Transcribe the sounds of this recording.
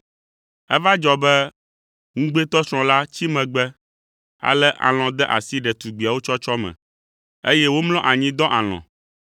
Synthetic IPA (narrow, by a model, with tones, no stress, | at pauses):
ɛ̰˦va˦d͡ʒɔ˦bɛ˦ | ŋũ˦ɡ͡be˦t̪ɔ˦sɾ̃ɔ̃˨la˦t͡ɕi˦mɛ̃˨ɡ͡bɛ˦ | a̰˨lɛ˦ʔa̰˨l̃ɔ̃˨d̪ɛ˦ʔa̰˨si˦ɖɛ˨t̪u˨ɡ͡bi˨a˨wo˦t͡ʃɔ˦t͡ʃɔ˦mɛ̰̃˨ | e˦jɛ˦wo˦mlɔ̃˦ʔa˨ɲĩ˦d̪ɔ̃˦ʔa˨l̃ɔ̰̃˨